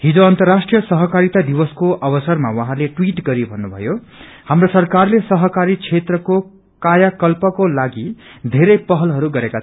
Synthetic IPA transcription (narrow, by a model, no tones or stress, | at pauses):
ɦid͡zoʌnt̪ʌrːasʈrijʌsʌɦʌkaɾit̪ad̪ibʌskoʔʌbʌsʌrmawʌɦãleʈwiʈɡʌɾibʱʌnːubʱʌ̰jo | hamrosʌrkarlesʌɦʌkaɾit͡sʰet̪rʌko | kajakʌlpʌkolaɡid̪ʱeɾʌjpʌɦʌlɦʌɾuɡʌɾekat͡sʰ